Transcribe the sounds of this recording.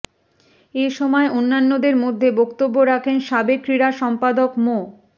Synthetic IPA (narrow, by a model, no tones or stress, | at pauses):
eʃɔmɔeʔonːanːod̪eɾmod̪ʱːebokt̪obːoɾakʰenʃabeɡ̚kːɾiɾaʃɔmpad̪okmo